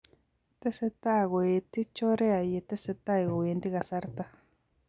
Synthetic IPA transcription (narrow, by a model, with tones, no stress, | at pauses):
t̪e˦se˧t̪a˦˨ɣo˧˨i˧t̪i˦t͡ʃo˦ɾe˦a˨˧je˧t̪e˦se˧t̪a˦i˧˨ɣo˨i˧nd̪i˦ɣa˧sa˧ɾt̪a˦